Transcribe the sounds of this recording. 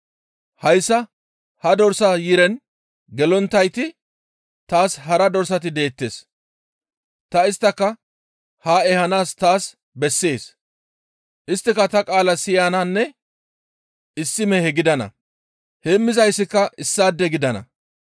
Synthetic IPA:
hɐjsːɐ | hɐd̪ɔɾsɐjiːɾɛn | ɡɛlɔnt̪ːɐjt̪ɪ | t̪aːsɦɐɾɐd̪ɔɾsɐt̪ɪd̪e̞ːt̪ːe̞̰ːs | t̪ɐɪst̪ːɐkːɐ | haːɛhɐnaːst̪aːs | bɛsːe̞ːs | ʔɪst̪ːɪkɐt̪ɐkʼaːlɐsɪjaːnanːɛ | ɪsːɪmɛhɛɡɪd̪ɐnɐ̰ | hɛmːɪzɐjsːɪkːɐɪsːaːd̪ːɛɡɪd̪ɐnɐ̰

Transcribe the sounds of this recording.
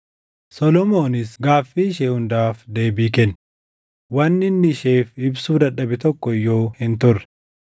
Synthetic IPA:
sɔlɔmoːnɪsɡaːfːiːʃeːhʊnd̪aːfd̪e̞ːbiːkɛnː | wɐnːɪnːɪɪʃe̞ːfɪbsuːd̪ɐᶑɐbɪt̪ɔkːɔjːo̞ːhɪnt̪ʊrːɛ̥

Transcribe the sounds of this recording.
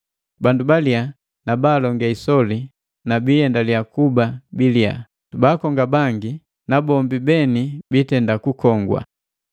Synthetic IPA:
bandubalia | nabaːlɔŋɡaisɔli | nabijɛndalijakubabilia̰ | tubakɔŋɡabaŋɡi | nabɔmbibɛnibitɛndakukɔŋɡwa̰

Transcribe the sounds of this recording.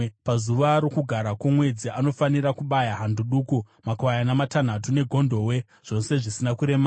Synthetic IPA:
pazuʋaɾokuɡʱaɾakwamwe̞d͡ziʔano̞faniɾakuɓajaɦanduɗuku | makwajanamatan̤atune̞ɡʱo̞ndʱo̞we̞ | ʐ̥o̞se̞ʐisinakuɾe̞ma

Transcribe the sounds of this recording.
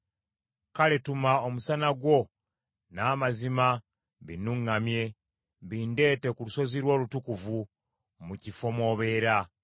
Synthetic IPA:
kale̞tumaomusanaɡwo̞ | naːmazima | βinuŋːamje̞ | βiːnde̞ːte̞kuluso̞ziɾwo̞ːlutukuvu | mucifo̞mo̞ːβe̞ːɾa

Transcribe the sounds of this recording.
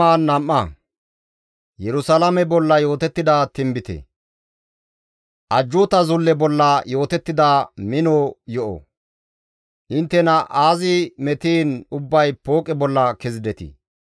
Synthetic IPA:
aːnːɐmːɐ | jɛɾʊsɐlɐmɛbɔlːɐjo̞ːt̪ɛt̪ːɪd̪ɐt̪ɪmbɪt̪ɛ̰ | ʔɐd͡ʒːʊːt̪ɐzʊlːɛbɔlːɐjo̞ːt̪ɛt̪ːɪd̪amɪnoːjɔʔo̰ | ʔɪnt̪ːɛnɐʔaːzɪmɛt̪iːnʊbːɐjpoːkʼɛbɔlːɐkɛzɪd̪ɛt̪ḭ

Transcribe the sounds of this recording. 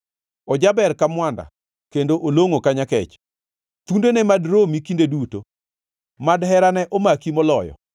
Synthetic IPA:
ɔd͡ʒabɛɾkamwanda̰ | kendoʔoloŋokaɲakɛ̰t͡ʃ | t̪undenɛmadɾomikindeduto | madhɛɾanɛʔomakimɔlɔjɔ̰

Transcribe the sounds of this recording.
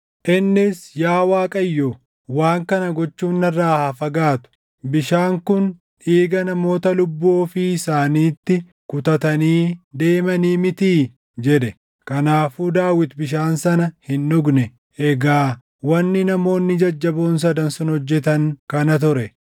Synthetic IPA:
ʔɪnːɪsjaːwaːkʼɐjːoː | waːŋkɐnɐɡɔt͡ʃːuːnːɐrːaːhɐfɐɡaːt̪ʊ̥ | bɪʃaːŋkʊn | iːɡɐnɐmo̞ːt̪ɐlʊbːoːfɪsaːniːt̪ːɪ | kʊt̪ɐt̪ɐniːd̪e̞ːmɐniːmɪt̪iː | d͡ʒɛᶑ̪ɛ | kɐnaːfuːd̪aːwɪt̪bɪʃ̬aːnsɐnɐhɪnːʊɡnɛ | ʔɛɡaː | wɐnːɪnɐmo̞ːnːɪd͡ʒɐd͡ʒːɐboːns̬ɐd̪ɐnsʊnhɔd͡ʒːɛt̪ɐŋkɐnɐt̪̬ʊɾɛ

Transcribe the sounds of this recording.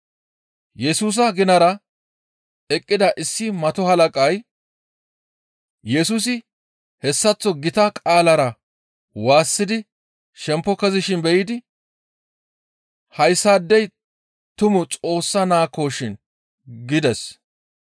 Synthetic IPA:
jɛsuːs̬ɐɡɪnɐɾɐ | ɛkʼːɪd̪ɐʔɪsːɪmɐt̪ɔhɐlɐkʼɐj | jɛsuːs̬ɪ | hɛsːɐt͡sːɔɡɪt̪ɐkʼaːlɐɾɐ | waːsːɪd̪ɪ | ʃɛmpːɔkɐzɪʃɪnbɛjɪd̪ɪ | hɐjsːaːd̪ːɛj | t̪ʊmʊt͡sʼo̞ːsːɐnaːkːo̞ːʃɪn | ɡɪd̪ɛs

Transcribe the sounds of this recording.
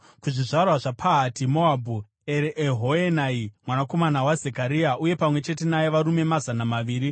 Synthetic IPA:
kuʐiʐarwaʐapʰaɦatimo̞abʱu | eɾeʔɦoenaimwanako̞manawazekaɾiauje̞pamwe̞t͡ʃe̞t̬e̞najeʋaɾume̞mazanamaʋiːɾi

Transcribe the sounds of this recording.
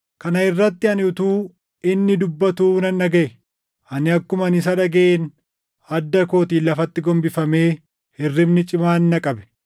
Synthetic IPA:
kɐnɐɪrːɐt̪ːɪɐnɪʊt̪uː | ɪnːɪd̪ʊbːɐt̪uːnɐnːɐɡɐʔɛ | ʔɐnɪɐkːʊmɐnɪs̬ɐᶑɐɡɐeːn | ɐd̪ːɐko̞ːt̪iːlːɐfɐt̪ːɪɡɔmbɪfɐme̞ː | hɪrːɪbnɪt͡ʃʼɪmaːnːɐkʼɐbɛ̥

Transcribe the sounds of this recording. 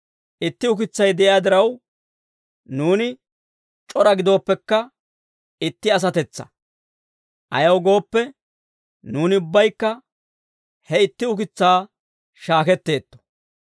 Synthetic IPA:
ʔɪt̪ːɪʊkɪt͡sːɐjd̪ɛʔɪjaːd̪ɪɾɐw | nuːnɪ | t͡ʃʼɔɾɐɡɪd̪o̞ːpːɛkːɐ | ɪt̪ːɪɐs̬ɐt̪ɛt͡sːɐ̥̰ | ʔɐ̰jɐwɡo̞ːpːɛ | nuːnɪʊbːɐjkːɐ | hɛɪt̪ːɪʊkɪt͡sːaː | ʃaːkɛt̪ːe̞ːt̪ːɔ̥

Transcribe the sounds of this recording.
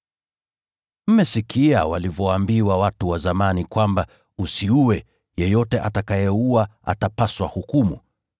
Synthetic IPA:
m̩mɛsikʰiawalivɔwambiwawatuwazamanikwamba | usiuwɛ | jɛjɔtɛʔatakajɛuaʔa̰tapaswahukumṵ

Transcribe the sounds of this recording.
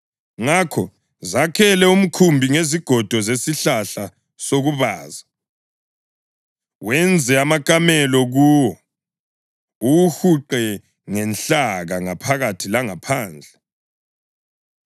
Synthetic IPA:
ŋakʰɔ | zakʰɛlɛum̩kʰumbʱiŋeziɡ̥ʱɔd̥ʱɔzesiɬaɬa | soɣuβa̰ːza | wɛnd͡zʱɛamakʼamɛlɔɣuːwɔ | uwuhuǃɛ | ŋɛnɬaɣaŋapʰaɣatʰilaŋapʰaːnd͡ɮʱɛ

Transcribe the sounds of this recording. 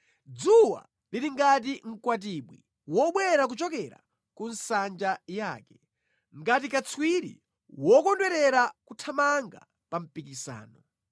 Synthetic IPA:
d͡zuwa̰ | liɾiŋɡat̬iŋ̩kwat̬iɓwḭ | wɔɓwɛɾak̬ut͡ʃɔkɛɾa̰ | kun̩sand͡ʒajaːkɛ | ŋ̩ɡat̬ikat͡sʰwiɾḭ | wɔkɔndwɛɾɛɾakutʰamaŋɡa̰ | pam̩pikisa̰ːnɔ

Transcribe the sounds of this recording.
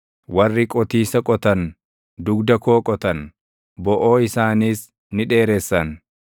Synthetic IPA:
wɐrːɪkʼɔt̪iːsɐkʼɔt̪ɐn | d̪ʊɡd̪ɐko̞ːkʼɔt̪ɐn | bɔʔoːɪsaːniːs | nɪᶑe̞ːɾɛsːɐn

